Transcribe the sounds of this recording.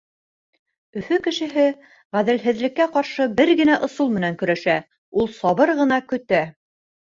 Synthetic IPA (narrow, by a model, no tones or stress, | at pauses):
ɵ̆fɵkɘ̆ʃɘ̆ɦɘ | ʁæðɘ̆lɦɘ̆ðlɘ̆kːæqɑɾʃɤbɘɾɡɘ̆næʔŏsɤlˠmɘ̆næŋkɵ̆ɾæʃæ | ulˠsɑβɤɾʁɤ̆nɑkɵ̆t̪æ